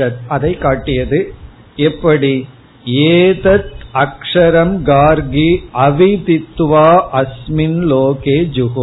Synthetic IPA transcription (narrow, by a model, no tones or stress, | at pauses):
ɐt̪̚ɐðɐɪkːaːʈːɪjɐðɯ | ɛpːɐɽi | eːðɐt̪̚ɐkʂɐɾɐmɡaːɾɡiɐʋɪt̪ɪt̪ːʋaːʔɐsmɪnloːkeːd͡ʒʊɦo